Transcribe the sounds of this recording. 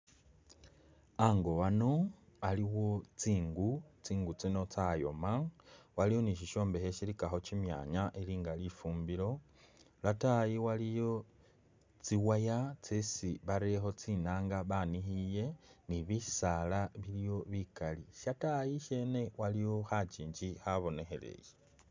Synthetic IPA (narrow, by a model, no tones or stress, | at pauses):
aŋɡo̞wano̞ | aliwo̞t͡siːŋɡut͡siːŋɡut͡sino̞t͡sajo̞̰mawalijo̞niʃiʃo̞ːmbeheʃiɾikaxo̞cimja̰ːɲaʔeliːŋɡalifuːmbilo̞ | latajiwalijo̞ | t͡siwajat͡sesiβaɾexo̞t͡sinaːŋɡaβanihije̞niβisalaβilijo̞βikaliʃatajiʃe̞ne̞walijo̞xat͡ʃiːɲd͡ʒixaβo̞ne̞xe̞̰lḛje